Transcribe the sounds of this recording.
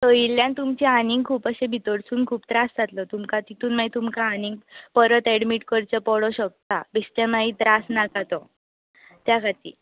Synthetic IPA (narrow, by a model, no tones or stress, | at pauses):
t̪əiljãnt̪umt͡ɕianiŋɡkʰuːpəɕebʱit̪əɽsuːnkʰuːpt̪ɾasd͡zʱat̪lɔt̪umkat̪it̪ʰuːnmait̪umkaːniŋɡpəɾət̪ɛɽmiʈkəɾt͡ɕəpɔɽɔɕək̚t̪abest̪amait̪ɾasnakat̪ɔ | t̪jakat̪ḭː